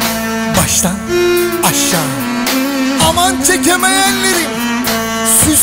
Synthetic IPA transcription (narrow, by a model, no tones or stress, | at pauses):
baʃt̪an | aʃːaːnɯ | amant͡ʃʰecʲemejænleɾi | sy